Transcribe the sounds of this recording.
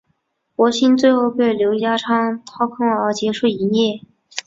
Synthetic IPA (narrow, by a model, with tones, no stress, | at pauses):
kwɔ˧˥ɕi˥nt͡swe˥˧ɪxo˥˧ʊpe˥˩ɪljo˧˥ʊt͡ɕja˥ʈ͡ʂʰɑ˥ŋt̪ʰɑ˥˩ʊkʰɤ˥ŋə˞˧˥t͡ɕjɛ˧˥ʂu˥˩i˧˥njɛ˥˩